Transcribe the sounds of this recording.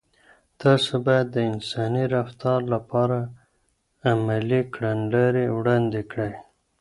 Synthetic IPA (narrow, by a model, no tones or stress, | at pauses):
t̪ʰɑsobɑjad̪ːəɪnsɑniɾaft̪ɑɾlapɑɾaː | malikɽanlaɾewɽɑnd̪ekɽaj